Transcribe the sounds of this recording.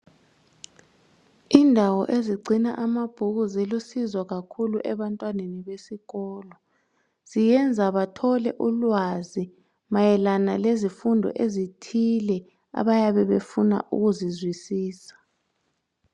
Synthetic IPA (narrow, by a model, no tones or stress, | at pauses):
indʱawɔʔeziɡ͡ǀʱina̰ʔamab̥ʱuɣuzilusizwaɣakʰuluʔɛβantʼwaneniɓesiɣɔːlɔ | z̥ijɛnd͡zʱaβatʰɔlɛ̰ʔulwazi | majɛlanalezifundʱɔ̰ʔezitʰilɛ | a̰ɓajaβɛβefuna̰ʔṵɣuzizwisiːsḁ